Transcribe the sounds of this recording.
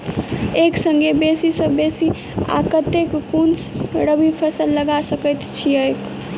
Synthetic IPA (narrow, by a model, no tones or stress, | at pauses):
eksəŋɡebesisəbesi | a̰kət̪ekːunsɾəbipʰəsəlːəɡasəkət̪t͡ʃʰiəjk